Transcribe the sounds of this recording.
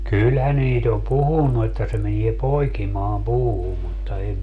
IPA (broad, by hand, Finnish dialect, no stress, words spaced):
kylhæ niːt om puhunːu etːæ se menie poikimɑːm puːhum mutːɑ em